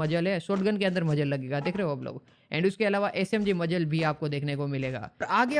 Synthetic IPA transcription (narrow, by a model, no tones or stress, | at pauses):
ɐd͡ʒəlɦɛsoːʈɡənkeɐ̃nd̪əɾmɐd͡ʒəlːɐɡeːɡad̪eːkʰɾeɦoɐːplo̰ːɡ | ɛ̰̃ːɳɖʊskeɐlaːʋaʔɛːsɛːmd͡ʒimɐd͡ʒəlbʱiaːp̚kod̪eːkʰnekomɪleːɡa̰ːɾaːɡe